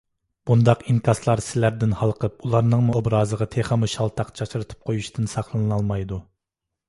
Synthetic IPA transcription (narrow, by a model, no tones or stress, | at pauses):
b̥und̪ɑqinkʰɑslˠɑɾsɪlæɾd̪ɪnhɑlˠqʰəp̚ulˠɑɾnɨŋmuobɾɑːzəʁɑt̪ʰeχɑmuʃɑlˠt̪ʰɑqt͡ʃʰɑt͡ʃɾɨt̪ʰɨ̥p̚qʰojuʃt̪ʰɪnsɑχlˠɨnnɑlˠmɑjd̪u